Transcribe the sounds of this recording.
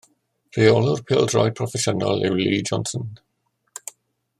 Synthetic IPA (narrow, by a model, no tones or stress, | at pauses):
reːɔlʊrpʰɪlˠdrɔj̚pʰɹɔfɛʃəna̰lˠɪwliːd͡ʒɔnsə̃n